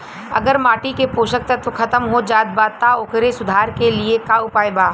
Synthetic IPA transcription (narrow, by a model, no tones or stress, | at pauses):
ɐ̰ɡəɾmaːʈikepoːʃək̚t̪at̪okʰɐt̪əmɦod͡ʒaːt̪̚baːt̪aoːkɾesʊd̪ʱaːɾkeliekaʊpaːjbaː